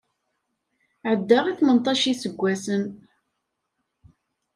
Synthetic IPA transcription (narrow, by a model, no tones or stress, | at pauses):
ʕəd̪ːaʁiθmənt̪ˤɑʃisəɡʷːæsən